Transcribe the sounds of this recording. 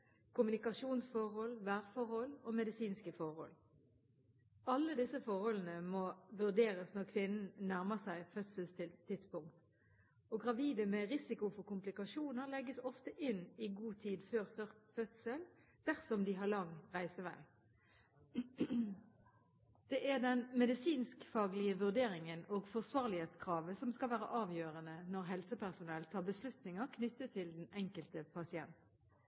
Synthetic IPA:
kʊmʉnɪkɑʂuːnsfɔʁhɔlʋæːʁfɔʁhɔloːmɛd̪ɪsiːnskəfɔʁhɔ̰l | ɑlːəd̪ɪsəfɔʁhɔlən̩əmɔʋʉʁd̪eːɾəsnɔʁkʰʋɪnn̩næʁməsæɪfœt̪səlst̪ʰɪlt̪ʰːɪt̪spʊŋkt̪ | oɡʁɑʋiːd̪əmɛʁɪsɪkʊfɔʁkʊmplɪkɑʃuːnəʁlɛɡːəsɔft̪əʔɪnɪɡuːt̪ʰiːd̪føːʁfœfœt̪səl | d̪̥æʁsɔmd̪ɪɦɑʁlɑŋʁæɪsəʋæ̰ɪ | d̪̥ɛʔæʁd̪ɛnmɛd̪ɪsiːnskfɑːɡlɪəʋʉʁd̪eːɾɪŋənoːɡfɔʁsʋɑːʁlɪheːt̪skʰʁɑːʋəsɔmskɑlʋæːɾə̰ʔɑːʋjøːʁənənɔʁɦɛlsəpʰæʁsʊnɛlt̪ʰɑːʁbəslʉt̪nɪŋəʁkʰnʏt̪ːət̪ʰɪld̪ɛnɛŋkəlt̪əpʰɑsɪɛnt̪n̩

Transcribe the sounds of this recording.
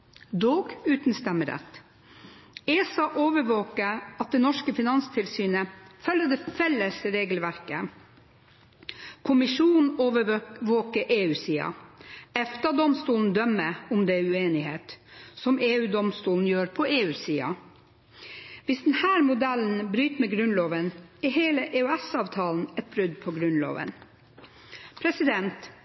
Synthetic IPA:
d̪oːɡʉːt̪n̩st̪ɛmːəɾɛ̰t̪ː | eːsɑʔoːʋəɾʋoːkəɑt̪̚d̪ɛnɔʂkəfɪnɑnst̪ʰɪlsyːnəfœlːəd̪ɛfɛlːəsɾeːɡəlʋæɾkə | kʰʊmɪʂuːnn̩oːʋəʋoːkəɾʔeːʉːsiːɑ̰ɛft̪ɑd̪ɔmst̪uːln̩d̪œmːəʊmd̪ɛʉeːnɪheːt̪sɔmeːʉːd̪ɔmst̪uːln̩jøːɾpʰɔeːʉːsiːɑ̰ | ʋɪsd̪ɛnhæːɾmʊd̪ɛln̩bɾyːt̪mɛɡɾʉnloːʋənɛheːləʔeːʉɛsɑːʋt̪ʰɑːln̩ɛt̪̚bɾʏd̪pʰɔɡɾʉnlo̰ːʋə̰n | pʰɾɛsɪd̪ɛnt̪

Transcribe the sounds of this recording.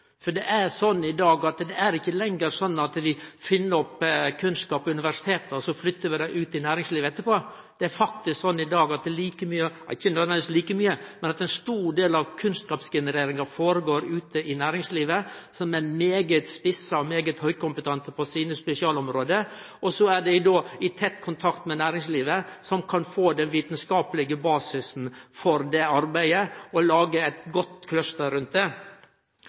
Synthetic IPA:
fɔɖɛʔæɾsɔnːɪd̪ɑːɡɑt̪d̪ɛæɾɪçːəlɛŋɡəɾsɔnːɑt̪ʋɪfɪnːəɾɔpːkʰʉnskɑːpɔʉnɪʋæʂɪ̥t̪ʰeːt̪ɔsɔflʏt̪ːəɾʋɪd̪æɪʔʉːt̪ɪnæːɾɪŋsliːʋəɛt̪ːəɾpoː | d̪̥ɛæɾfɑk̚t̪ɪsksɔnːɪd̪ɑːɡɑt̪̚d̪ɛliːkəmyːəɪçːənɔnɛsliːkəmyːəmɛnɑt̪ɛnst̪uːɖeːlɑʋkʰʉnskɑːpsɡɛnəɾeːɾɪŋɑfoːɾəɡoːɾʉːt̪əʔɪnæːɾɪŋsliːʋəsɔmæmeːɡət̪spɪsəɔmeːɡət̪hœʏkʊmpət̪ʰɑnt̪əpʰɔsiːnəspɛsɪɑːlɔmɾoːd̪ə | ɔsɔæɖɛɪd̪oːɪt̪ʰɛt̪ːkʰʊnt̪ʰɑkt̪mɛnæːɾɪŋsliːʋəsɔmkʰɑnfoːd̪ɛnʋiːt̪nskɑːpəlɪɡəbɑːsɪsn̩fɔɾd̪ɛɑɾbæɪəɔlɑːɡəæɪt̪ɡɔt̪ːkʰlœst̪əɾʉnt̪̚d̪e

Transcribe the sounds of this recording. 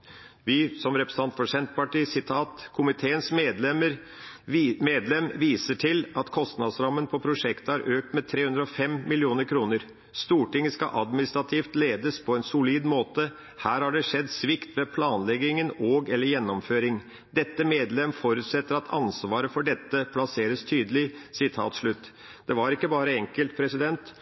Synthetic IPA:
ʋɪsɔmɾɛpɾəs̩ɑnt̪fɔʂɛnt̪pɑʈiːsɪt̪ʰɑːt̪kʰʊmɪt̪ʰeːənsmeːd̪lɛməɾ | meːd̪lɛmʋiːsəʈʰɪlɑt̪kʰɔst̪nɑd̪sɾɑmːənpʰɔpʰɾʊʂɛkt̪əhɑɾʔøːk̚t̪mɛt̪ʰɾeːʉnd̪ɾəɔfɛmmɪlɪuːnəɾkʰɾuːnəɾ | st̪uːʈɪŋːəskɑ̰ʔɑd̪mɪnɪst̪ɾɑt̪ʰiːft̪leːd̪əspʰɔɛnsʊliːd̪moːt̪ə | hæːɾhɑɖɛʂɛd̪ːsʋɪkt̪ʋɛpʰlɑːnlɛɡɪŋənoːɡɛlːəɾjɛnːɔmføːɾɪŋ | d̪ɛt̪ːəmeːd̪lɛmfɔɾʉt̪sɛt̪ːəɾɑt̪ʰɑ̰nsʋɑːɾəfɔɖɛt̪ːəpʰlɑseːɾəst̪ʰyːd̪əlɪsɪt̪ʰɑ̰ːt̪ʂɭʉt̪ː | d̪̥ɛʋɑɾɪkːəbɑːɾəɛŋkəlt̪̚pʰɾɛsɪd̪ɛnt̪

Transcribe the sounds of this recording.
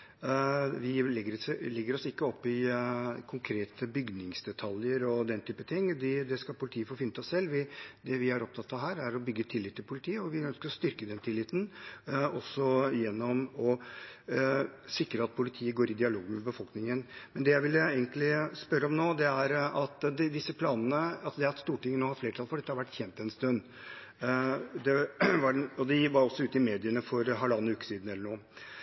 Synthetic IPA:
ʋɪlɛɡːəɾlɛɡːəɾɔsɪkːəɔpːɪkʰʊŋkʰɾeːt̪ʰəbʏɡnɪŋsd̪ɛt̪ʰɑljəɾɔd̪ɛnt̪ʰyːpət̪ʰɪŋːd̪ɪd̪ɛskɑlpʰʊlɪt̪ʰiːəfoːfɪnːət̪ɪɔsɛlːʋɪd̪ɛʋɪæɾɔp̚t̪ʰɑt̪ːɑʋɦæːɾæɾɔbʏɡːət̪ʰɪlːɪt̪ːɪlpʰʊlɪt̪ʰiːəɔʋɪœnskəɾɔst̪ʏɾkəd̪ɛmt̪ʰɪlːɪt̪ːn̩ɔsɔjɛnːɔmɔ | sɪkɾəɑt̪̚pʰʊlɪt̪ʰiːəɡoːɾɪd̪ɪɑloːɡənmɛbəfɔlknɪŋənmɛnd̪ɛjæɪʋɪlːəeɪɡənt̪lɪspœɾːəɔmnoːd̪ɛæɾɑt̪d̪d̪ɪsːəpʰlɑːnənəɑsd̪ɛæɾt̪st̪uːʈɪŋːənoːhɑɾfleːɾəʈʰɑlfɔɖɛt̪ːəhɑɾʋæʈːçɛnt̪ɛnst̪œnː | d̪ɛʋɑɔd̪ɪʋɑɾɔsːɔʉːt̪əɪmeːd̪ɪənəfɔɾɦɑlɑnːəʉːkə̥siːd̪n̩ɛlːəɳuː

